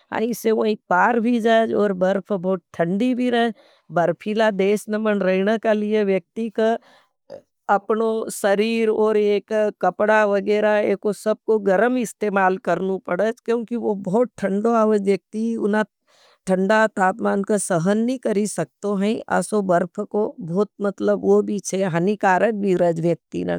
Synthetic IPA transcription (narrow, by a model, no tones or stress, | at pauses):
a̰ːĩseʋəĩpaːɾbʱid͡ʒad͡ʒɔːɾbɐɾpʰbɔːt̪̚ʈʰːə̃ɳɖibʱiɾɐɦɛ | bɐɾpʰiːlad̪eːsnəmənɾəɪnakalieʋjɐk̚t̪ika | ɐpnosɐɾiːɾɔːɾeːkːɐpɽaʋɐɡɛːɾaeːkosɐb̚koɡɐɾəmɪst̪eːmaːlkɐɾnupɐɽət͡ʃkjõːkiʋobɔːt̪̚ʈʰɐ̃ɳɖoaːʋəd͡ʒʋjək̚t̪iʊ̰na | ʈʰə̃ɳɖat̪aːt̪maːnkasəɦənːĩkɐɾisɐk̚t̪oɦɛ̃ʔɐ̰sobəɾpʰkoboːt̪̚mɐt̪ləbʋobʱit͡ʃʰɛɦɐnikaːɾəkbʱiɾəd͡ʒʋjək̚t̪ḭna̰